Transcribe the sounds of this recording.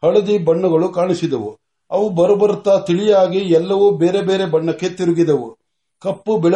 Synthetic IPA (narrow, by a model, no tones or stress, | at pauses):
hɐɭɐd̪ibɐɳːɐɡɐɭukaːɳisid̪ɐʋu | ɐʋubɐɾɐbɐɾut̪ːat̪iɭijaːɡiɛlːɐʋubeːɾe̞be̞ːɾe̞bɐɳːɐkːe̞t̪iɾuɡid̪ɐʋu | kɐpːubɛɭ